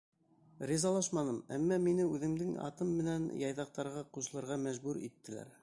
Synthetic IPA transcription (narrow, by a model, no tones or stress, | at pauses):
rʲizɑlˠɑʃmɑnɤmæ̰mːɑminɘʉðɘ̆md̪ɘŋɑ̰t̪ɤmːɘ̆nænjɑjðɑq̚t̪ɑɾʁɑquʃɤ̆lˠɤ̆ɾʁɑmæʒbʉɾḭt̪ːɘ̆læ̰ɾ